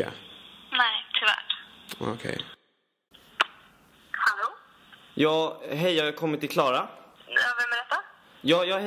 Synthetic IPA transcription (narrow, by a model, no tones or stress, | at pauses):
a̰nɛɪt̪ʰʉvæ̰ːʈo̰kʰɛ̰j | haloː | jɑːɡɦɛjːajakʰɔmːɪt̪ʰːɪlkʰlɑːɾaɑvɛmːɛd̪ɛt̪ːa | jɑːjɑːh